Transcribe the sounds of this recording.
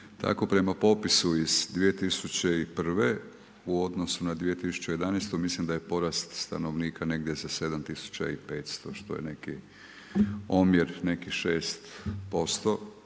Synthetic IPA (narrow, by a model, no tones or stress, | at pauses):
t̪ʰa̰ko̞pɾe̞mapo̞pisuizd̪ʋije̞t̪isut͡ɕe̞ipr̩ʋe | uo̞d̪nosunad̪ʋije̞t̪isu̥t͡ɕeje̞d̪anejst̪omislimd̪ajepo̞ɾast̪st̪a̰no̞ʋniːkʰane̞ɡd̪je̞zase̞d̪amt̪isu̥t͡ɕa̰ipe̞ːt̪st̪o̞ʃt̪o̞̰jḛne̞ki | omjeɾne̞kiʃeːst̪po̞st̪o̞